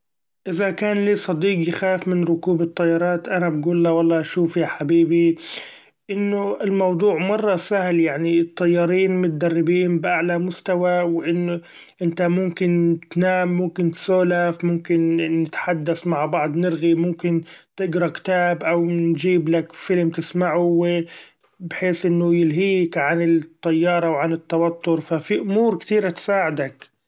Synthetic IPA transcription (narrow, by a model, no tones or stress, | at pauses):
ʔɪzakaːnliːsˤɑd̪iːqjɪxaːfmɪnɾʊkuːbɨt̪ˤːɑjːɑɾˤɑːt̪ʔanabɡuːlːawɑlˤːɑːʔaʃuːfjaħabiːbi | ʔɪnːʊɪlmɑwd̪ˤuːʕmɑrˤːɑsahljaʕnit̪ˤːɑjːɑːɾiːnmʊt̪̚ad̪ɑrːɪbiːnbʔaʕlamʊst̪awawʔɪnːʊ | ʔɪnt̪amʊmkɪnt̪naːmːʊmkɪnt̪soːlafmʊmkɪnːɪt̪ħad̪ːasmaʕbɑʕd̪ˤnɪɾɣimʊmkɪnt̪ɪɡɾˤɑkt̪aːbʔawnd͡ʒiːblakfɪlmt̪ɪsmaʕuwɪ | bħeːsʔɪnːʊjɪlɦiːkʕanɪt̪ˤːɑjːɑːɾˤɑwʕanɪt̪ːɑwat̪ːʊɾfafiʔʊmuːɾkt̪iːɾat̪saːʕɪd̪ak